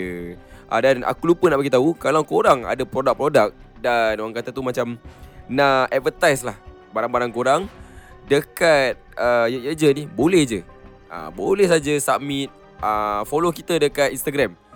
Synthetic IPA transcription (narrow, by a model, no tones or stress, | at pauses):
əʔa̰dana̰kulupənaʔpaɡit̪aukalawkoɾaŋa̰dapɾodak̚pɾodak̚ | danoɾaŋkat̪at̪umat͡ʃamnaɛt̪̚vət̪ajslah | baɾaŋbaɾaŋkoɾaŋdəkat̪̚əjəjəd͡ʒənihbolɛhd͡ʒə | ʔa̰bolɛhs̬ad͡ʒəsamit̪̚ | ʔafolokit̪ədəkat̪inst̪aɡɾɛm